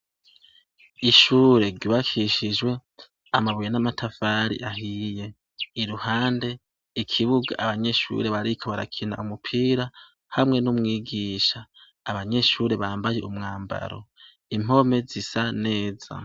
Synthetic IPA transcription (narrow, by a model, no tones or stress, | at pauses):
iʃuːɾe̞ɾɟuːβakʰiʃid͡ʒwe̞ | amaβujenamatʰafaɾḭʔaɦije̞ | iɾuhaːnde̞ | ikʰiβuɡa̰ʔaβaɲe̞ʃṵɾe̞βaɾikʰoβaɾa̰kʰina̰ʔumupʰiːɾa | hamŋe̞numŋiːɡiːʃaː | βaɲe̞ʃuɾe̞βaːmbaje̞umŋaːmba̰ɾo̰ | im̥o̞me̞zisane̞ːz̥a̰